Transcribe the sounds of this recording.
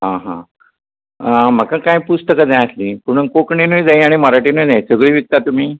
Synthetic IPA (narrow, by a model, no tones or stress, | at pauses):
ɦãɦã̰ | m̤əkãkãjpust̪əkad͡zãjəsliːpuɽ̃unkokɳinəjd͡zaj̃aɽ̃iməɾaʈiːnəjd͡zaj̃səɡɭiːʋik̚t̪at̪um̤iː